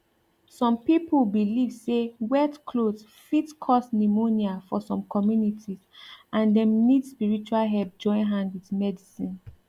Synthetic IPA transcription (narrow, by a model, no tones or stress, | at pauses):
sɔ̃mpipəlbilivsewɛtkʰlods | fitkʰɔsnimoniafɔsɔ̃mkɔmjunitʰizʔãndɛ̃mnidspiɹit͡ʃualɦɛlp̚d͡ʒɔ̃ɪ̃nɦãndwiðmɛdisĩn